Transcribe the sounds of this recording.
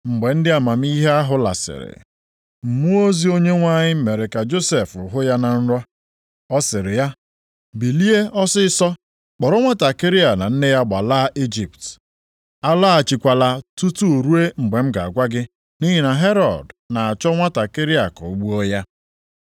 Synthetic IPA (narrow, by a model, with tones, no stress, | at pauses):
ŋ͡m̩˨ɡ͡be˨n̩˦dɪ˦a˨ma˨m̩˦i˦ɦe˦a˦ɦʊ˦la̰˨sɪ̰˨ɾɪ̰˨ | m̩˨mu˦o˦zi˦o˦ɲe˦ŋʷa˦˨ɲɪ˦me˨ɾe˨ka˨d͡ʒo˦se˨fʊ˨ɦʊ˦ja˦na˨n̩˦ɾɔ˦ | ɔ˦sɪ˨ɾɪ˨ja˦ | bi˨li˦e˦ɔ˦sɪ˦sɔ˦ | k͡pɔ˨ɾɔ˦ŋʷa˦ta˨ke˦ɾi˦a˨na˨n̩˦nɪ˦ja˦ɡ͡ba˨la˦ʔi˦d͡ʒi˨pt | a˦la˦a˨t͡ʃi˨kʷa˨la˨tu˦tu˦˨ɾu˦e˦ŋ͡m̩˨ɡ͡be˨m̩˦ɡa˨a˨ɡʷa˦ɡɪ˦ | ni˦ɦi˦na˨ɦe˦ɾɔ˨dna˨a˨t͡ʃɔ˦ŋʷa˦ta˨ke˦ɾi˦a˨kɔ˨u˨ɡ͡bu˦o˦ja˦